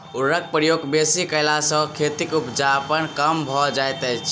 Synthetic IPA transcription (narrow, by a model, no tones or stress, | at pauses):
uɾək̚pɾəjoɡbesikəɪlasə̃kʰet̪ikupd͡ʒapənkəmbʱɔd͡ʒajt̪əjt͡ʃʰ